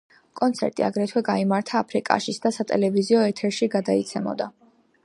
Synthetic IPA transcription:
kʼɔnt̪sʰɛ̰ɾt̪ʼia̰ɡɾɛt̪ʰwɛɡaimaɾt̪ʰaːpʰɾikʼa̰ʃisd̪asat̪ʼɛ̰lɛviziɔɛt̪ʰɛɾʃiɡad̪ait̪sʰɛmɔ̰d̪a

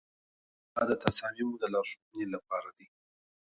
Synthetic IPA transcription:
d̪ɑd̪ət̪asɑmimud̪əlɑʃuxnilap̚ɑɾad̪i

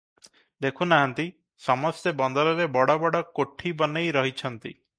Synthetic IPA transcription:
d̪ekʰunaɦant̪i | sɔmɔst̪ebɔnd̪ɔɾɔɾebɔɽɔbɔɽɔkoʈʰibɔnejɾɔɦit͡ʃʰɔnt̪ḭ

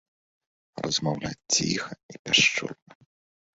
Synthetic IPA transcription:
rɐzmawlʲat͡sʲt͡sʲixɐipʲaʂt͡ʂɔ̰d̪nɐ

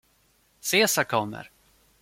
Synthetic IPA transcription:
seːsakʰɔmːə̰ɾ

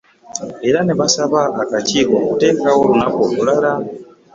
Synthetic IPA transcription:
eɾaneβasaβaʔakat͡ʃikɔtɛkawoɾunapɔlulaɾa

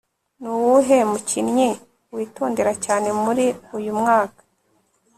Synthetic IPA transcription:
nuwuɦe̞mucinɲi | wiːtoːnde̞ɾacaːne̞muɾiujumŋaːkḁ

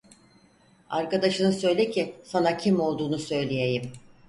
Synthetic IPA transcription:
aɾkad̪aʃɯnɯsø̞jlʲɛcʰisanacʰimo̞lˠd̪uːnusø̞jlʲejejim

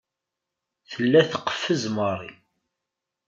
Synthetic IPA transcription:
θəlːæθə̥qːə̥fːəzməɾˤḭ

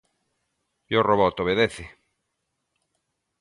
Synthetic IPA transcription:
oroβɔt̪oβeðeθɪ

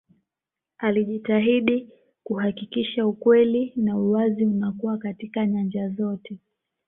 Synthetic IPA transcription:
aliʄitaɦiɗi | kuhakikiʃaukwɛlinauwaziunakuwakatikaɲand͡ʒazɔtʰɛ

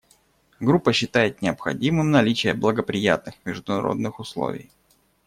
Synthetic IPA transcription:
ɡɾupːəɕːɪt̪ajɪt̪̚nʲɪəpxɐ̰dʲimɨmnɐlʲit͡ɕɪjəblˠəɡəpɾʲɪja̰t̪nɨxmʲɪʐd̪ʊnɐɾo̞̰d̪nɨxʊslˠo̰vʲɪ̰j

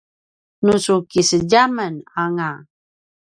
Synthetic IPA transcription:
nusukisəd͡ʒamənaŋa

